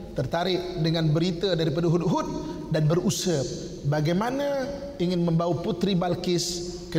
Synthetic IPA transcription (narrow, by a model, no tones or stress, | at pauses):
t̪ərt̪aɾɪʔdəŋanbəɾit̪adaɾipadaɦut̪ɦut̪̚ | danbəɾusəp̚ | baɡajmana | iŋɪnməmbawaput̪ɾibalkɪs | kə